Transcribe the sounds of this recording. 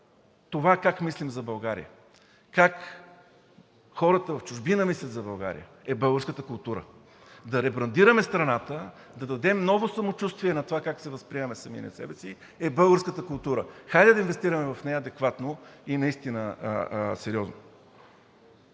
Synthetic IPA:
t̪ovakakmislʲimzɐbɐlˠɡaɾḭə̰ | kak | xɔɾət̪əvɐft͡ʃʊʒbinəmislʲɐt̪zɐbɐlˠɡa̰ɾḭə̰ | ɛbɤlˠɡəɾskət̪əkʊlˠt̪uɾə̰ | d̪ɐɾɛbɾɐnd̪iɾəmɛst̪ɾɐnat̪ə | d̪ɐd̪ɐd̪ɛmnɔvosɐmot͡ʃust̪viɛnɐt̪ovakaksɛvɐspɾiɛmɛsɐmḭnɛ̰sɛ̰bɛsi | ɛbɤlˠɡəɾskət̪əkʊlˠt̪uɾəxajd̪ɛd̪ɐinvɛst̪iɾəmɛvɐfnɛjɐd̪ɛkvat̪noinɐist̪inə | sɛɾʲiɔzno

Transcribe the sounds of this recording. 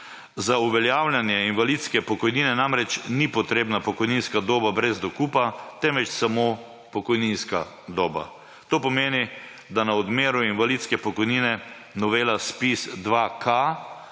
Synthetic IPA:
zauʋɛljawljanjɛinʋalit̪skɛpɔkɔjniːnɛnamɾɛt͡ʃnipɔt̪ɾeːbnapɔkɔjninskad̪oːbabɾɛzd̪ɔkuːpat̪ɛmʋɛt͡ʃsamo | pɔkɔjninska | d̪oːba̰ | t̪oːpɔmeːni | d̪anaɔd̪meːɾuinʋaliːt̪skɛpɔkɔjniːnɛ | nɔʋeːlaspisd̪ʋakʰa

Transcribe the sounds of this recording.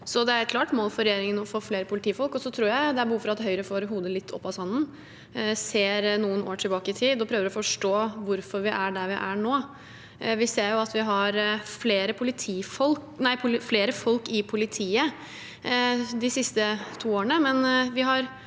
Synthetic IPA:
sɔd̪ɛæɾɛt̪kʰlɑːʈmoːlfɔɾɛjeːɾɪŋənɔfoːfleːɾəpʊlɪt̪ʰiːfɔlkɔsɔt̪ʰɾuːɾjæɪd̪ɛæɾbəhuːfɔɾɑt̪ɦœʏɾəfoːɾɦuːd̪əlɪt̪ʰːɔ̰pːɑsɑnːn̩ | seːɾnuːənoːʈʰɪlbɑːkəɪt̪ʰiːd̪ɔpʰɾøːʋəɾɔfɔʂʈoːʋʊɾfɔɾʋɪʔæɖæɾʋɪʔæɳoː | ʋɪseːɾjʊɑt̪ʋɪɦɑɾfleːɾəpʰʊlɪt̪ʰiːfɔlknæɪpʰʊfleːɾəfɔlkɪpʰʊlɪt̪ʰiːə | d̪ɪsɪst̪ət̪ʰuːoːɾəɳəmɛnʋɪɦɑɾ

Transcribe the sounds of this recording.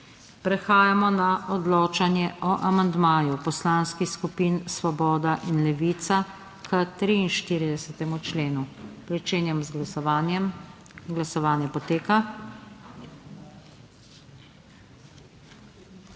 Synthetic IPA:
pɾɛxaːjamɔnaʔɔd̪loːt͡ʃanjɛʔɔʔamand̪maːjupɔslaːnskixskupinsʋɔbɔːd̪aʔinlɛʋiːt̪sa | kʰət̪ɾiːnʃt̪iːɾid̪ɛsɛt̪ɛmut͡ʃleːnupɾit͡ʃeːnjɛmzɡanjɛm | ɡlasɔʋaːnjɛpɔt̪eːka

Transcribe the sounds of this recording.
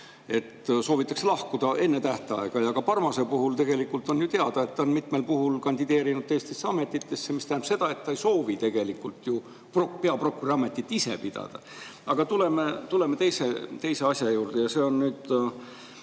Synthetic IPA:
e̞t̪ːso̞ːvit̪ːˑɑkselɑhkud̪̥ɑʔe̞nːet̪æht̪eɑ̰eɡ̥ɑjɑkɑpɑrmɑsepuɦult̪e̞ɡ̥e̞likːˑult̪ːˑo̞njut̪e̞ɑd̪̥ɑe̞t̪ːɑonmit̪me̞lpuɦulkɑnʲd̪id̪e̞ːɾinud̪̥ːest̪e̞sːeɑme̞t̪ːˑit̪ːe̞sːemisnæhnpse̞d̪̥ɑe̞t̪ːɑejso̞ːvit̪e̞ɡ̥e̞likːult̪ju | prokpe̞ɑprokːuriɑmːe̞t̪ːˑit̪ːˑise̞̰pid̪̥ɑ̰d̪̥ɑ̰ | ɑɡ̥ɑt̪ulemet̪ule̞met̪e̞jse̞t̪e̞jse̞ɑsʲjɑjuːrd̪e̞jɑse̞ːo̞nnyːd̪̥

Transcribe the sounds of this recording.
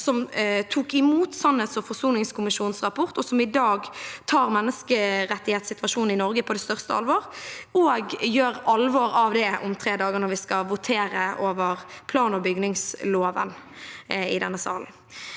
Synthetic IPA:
sɔmt̪ʰuːkɪmuːt̪sɑnhɛt̪sɔfɔʁsuːnɪŋskʊmɪʃuːnsʁɑpʰɔʁt̪ɔsɔmɪd̪ɑːɡt̪ʰɑːʁmɛnːəskəʁɛt̪ːɪheːt̪sɪt̪ʋɑʃuːnn̩ɪnɔʁɡəpʰɔd̪ɛst̪œʁst̪əɑ̰lʋɔːʁoːɡjøːʁɑlʋɔːɾɑʋd̪ɛʔʊ̰mt̪ʰʁeːd̪ɑːɡəʁnɔʋɪskɑʋʊt̪ʰeːɾəʔoːʋəʁpʰlɑːnɔbʏɡnɪŋsloːʋə̰n | ɪd̪ɛnːəsɑ̰ːln̩

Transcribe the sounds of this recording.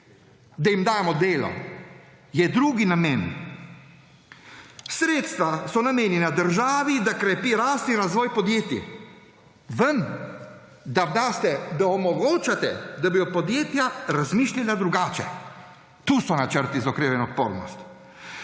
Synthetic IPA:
d̪ajimd̪aːjɛmɔd̪eːlɔ̰ | jɛd̪ɾuːɡinameːn | sɾeːt̪st̪ʋasɔnameːnjɛnad̪əɾʒaːʋid̪akɾɛpiɾaːst̪iɾazʋɔːjpɔd̪jeːt̪i | ʋəm | d̪ad̪aːst̪ɛd̪aɔmɔɡoːt͡ʃat̪ɛd̪abijɔpɔd̪jeːt̪jaɾazmiːʃlʲalad̪ɾuɡaːt͡ʃɛ̰ | t̪uːsɔnat͡ʃəɾt̪izɔkɾeːʋɛnɔt̪̚poːɾnɔ̰st̪

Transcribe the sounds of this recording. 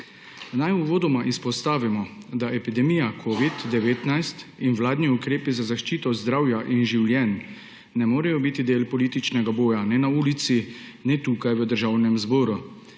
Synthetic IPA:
najuʋoːd̪ɔmaʔispɔst̪aːʋimɔ | d̪aʔɛpid̪ɛmijakʰoːʋid̪ːɛʋeːt̪najst̪inwlaːd̪niukɾeːpizazaʃt͡ʃiːt̪ɔzd̪ɾaːwjaʔinʒiwlʲjɛnː | ɛmoːɾɛjɔbit̪id̪eːlpɔliːt̪it͡ʃnɛɡaboːjanɛnauːlit̪sinɛt̪ukajʋəd̪əɾʒaːwnɛmzboːɾu

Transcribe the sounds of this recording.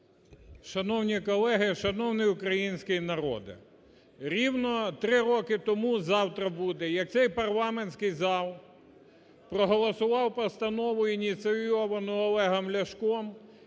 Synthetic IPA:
ʃɐnɔwnʲikɔlˠɛɦɪʃɐnɔwnɪjʊkɾɐjinʲsʲkɪjnɐɾɔ̰d̪ɪ̰ | ɾʲiwnɔt̪ɾɪɾɔkɪt̪ɔmuzɑwt̪ɾɐbud̪ɛjɐk̚t̪sɛjpɐrlˠɑmenʲsʲkɪjzɑlˠ | pɾɔɦɔlˠɔsʊʋɑwpɐst̪ɐnɔʋʊinʲit̪sɪjɔʋɐnʊɔlˠɛɦɐmlʲɐʃkɔm

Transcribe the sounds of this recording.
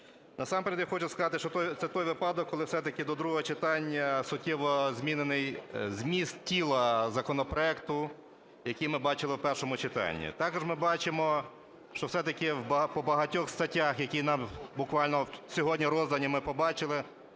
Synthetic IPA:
nɐsɑmpeɾʲed̪ʲjaxɔt͡ʃʊskɐzɑt̪ɪʃt͡ʃɔt̪ɔjt̪sɛt̪ɔjʋɪpɑd̪ɔkːɔlˠɪwsɛt̪ɐkɪd̪ɔd̪ɾuɦɔɦɔt͡ʃɪt̪ɑnʲːɐsʊtʲːɛʋɔzʲmʲinenɪjzʲmʲist̪tʲilˠɐzɐkɔnɔpɾɔɛkt̪ʊ | jɐkijmɪbɑt͡ʃɪlˠɪwpɛrʃɔmʊt͡ʃɪt̪ɑ̰nʲːḭt̪ɑkɔʒmɪbɑt͡ʃɪmɔ | ʃt͡ʃɔwsɛt̪ɐkɪwbpɔbɐɦɐtʲɔxst̪ɐtʲːaxjɐkʲijnɑmbʊkʋɑlʲnɔsʲɔɦɔdʲnʲiɾɔzd̪ɐnʲimɪpɔbɑt͡ʃɪlˠɪ

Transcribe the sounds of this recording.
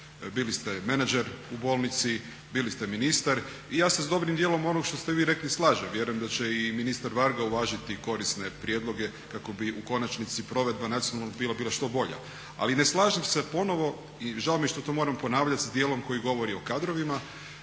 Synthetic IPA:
bilist̪eme̞nad͡ʒeɾubo̞ːlˠnit̪si | bilist̪e̞minist̪aɾ | ijaːsezd̪o̞bɾimd̪jeːlˠo̞mo̞noɡʃt̪o̞st̪eʋiːɾe̞klislˠaːʒemʋjeɾujemd̪at͡ɕeiminist̪aɾʋaɾɡauʋaːʒit̪iko̞ɾisnepɾje̞d̪lˠo̞ɡe̞ | kako̞biʔuko̞nat͡ʃnit̪sipɾo̞ʋe̞d̪̚banat̪ijonalnbiːlabiːlˠaʃt̪o̞bo̞ʎa̰ | a̰lineslˠaːʒimsepo̞noʋo̞ | iʒaomjiʃt̪o̞t̪o̞ːmoɾampo̞naːʋʎat̪sd̪jeːlˠo̞mko̞jiɡo̞ʋo̞ɾio̞kad̪ɾoʋima

